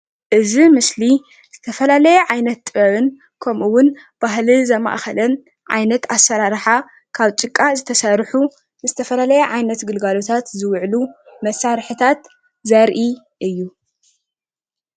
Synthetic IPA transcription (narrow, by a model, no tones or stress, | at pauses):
ʔɨzimɨsli | z̥ɨt̪ʰɐfɐlalɐjɛʕajnɐt̪ːʼɨβɐβɨn | kʰɐmʔuwʊn | b̥aɦlizɐma̰ʔxɐlɐn | ʕa̰jnɐt̪asːɐɾaɾħa | kʰaβt͡ʃʼɨkʼːazɨt̪ʰɐsɐɾħu | zɨt̪ʰɐfɐlalɐjɛʕajnɐt̪ɡɨlɡalo̞t̪ʰat̪zɨwʕlumɐsaɾħɨt̪ʰat̪ | zɐɾʔi | ʔɨjːu